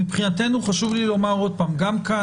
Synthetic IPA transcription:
ipχinat̪e̞nuχaʃuvlilo̞maʁo̞d̪̚paːmɡamka

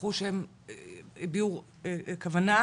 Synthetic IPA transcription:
χuʃem | biuʁ | kavana

